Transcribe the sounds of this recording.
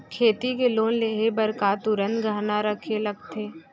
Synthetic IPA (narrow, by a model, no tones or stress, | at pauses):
kʰeːt̪ikeloːnleːɦebəɾkaːt̪ʊɾə̃nt̪ɡəːɦnaɾəkʰeləɡ̚t̪ʰeː